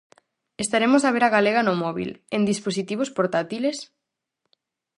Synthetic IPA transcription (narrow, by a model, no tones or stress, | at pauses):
est̪aɾemos̬aβ̞eɾaɣaleɣ̞anomɔβḭlẽnd̪isposit̪iβ̞ospoɾt̪at̪iles